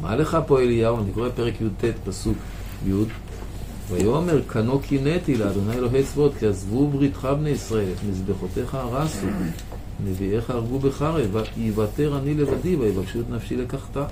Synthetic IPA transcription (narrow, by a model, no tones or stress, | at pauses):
ma̰le̞χapo̞elijaoaniko̞ʁepeʁekjud̪̚t̪et̪pasuk | jud̪ | vajome̞ʁkʰano̞kʰinet̪ilead̪o̞najelo̞ɦejt͡svo̞d̪kiazvubʁit̪χabnejisʁae̞let̪mizbe̞χo̞t̪e̞χaʁasu | nevieχaːʁɡubeχaʁevaivat̪eʁanile̞vadivaivaɡʃut̪nafʃilekaχt̪a